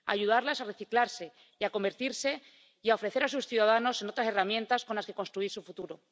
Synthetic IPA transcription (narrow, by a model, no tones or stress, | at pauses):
a̰ʝuðaɾlasare̞θiklaɾse̞ | iako̞mbe̞ɾt̪iɾse̞ | iao̞fɾe̞θe̞ɾasusθjuðaðano̞seno̞t̪ɾase̞ramje̞nt̪asko̞nlaske̞ko̞nst̪ɾuisufut̪uɾo